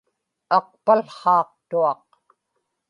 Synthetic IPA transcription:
ɑq̚palχɑːq̚t̪uɑq

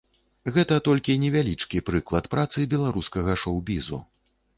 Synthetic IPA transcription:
ɣɛt̪ɐt̪ɔlʲkʲinʲɛvʲalʲit͡ʂkʲipɾɨklˠɐt̪pɾʔat̪sɨbʲɛlˠaɾuskɐɣɐʂɔwbʲizṵ

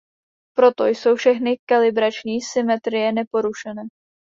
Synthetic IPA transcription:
pɾo̞t̪o̞jso̞wfʃɛxnɪkalɪbɾat͡ʃɲiːsɪmɛt̪ɾɪjɛnɛpo̞ɾuʃɛnɛː

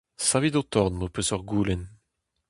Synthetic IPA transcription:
savid̪ot̪ɔʁnmopøsɔʁɡuːlɛn

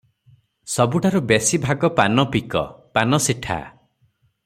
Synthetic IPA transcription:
sɔbuʈaɾubesibʱaɡɔpanɔpikɔ̰panɔsiʈʰa̰

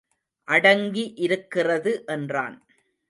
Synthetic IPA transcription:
ʔɐɽɐŋɡiʔɪɾɯkːɪrɐðɯʔɛndra̰ːn

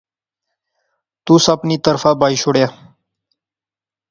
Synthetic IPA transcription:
t̪usapnit̪əɾfaːbaːiɕoɽjaː

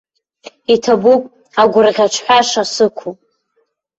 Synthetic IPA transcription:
itʰabupʼ | aɡʷʊrʁʲat͡ʃʷʰħʷᶣaʂasɨkʷʰupʼ

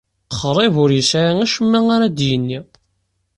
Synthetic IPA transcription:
χɾˤevʊɾjəsʕaæʃəmːæŋaɾad̪jənːi

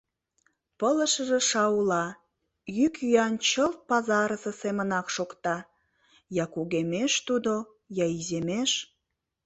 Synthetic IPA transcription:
pələ̆ʃə̆ʒeʃɑulɑ | jykyjɑnt͡ɕəlt̪̚pɑzɑɾəsə̆semənɑkʃokt̪ɑ | jɑkuɣemeʃt̪ud̪o | jɑizemeʃ

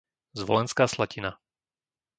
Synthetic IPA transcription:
zʋɔlɛnskaːslacina

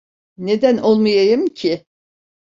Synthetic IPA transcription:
ne̞d̪ænʔolˠmajajɯmcʰɪ

